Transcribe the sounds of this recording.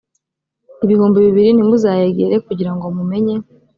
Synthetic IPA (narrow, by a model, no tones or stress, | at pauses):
iβihuːmbeβiβiɾinimuzaːjeɡeɾe̞kuɟiɾaŋɡo̞mume̞ɲe̞